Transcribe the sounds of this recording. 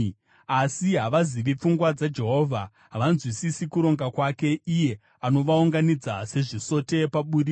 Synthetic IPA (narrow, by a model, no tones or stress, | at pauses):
asiɦaʋaziʋip͡fuŋɡwad͡zad͡ʒe̞ɦo̞ːvʱa | ɦaʋanzwisisikuɾo̞ŋɡakwake̞ije̞ | ano̞ʋauŋɡanid͡zase̞ʐiso̞te̞paɓuri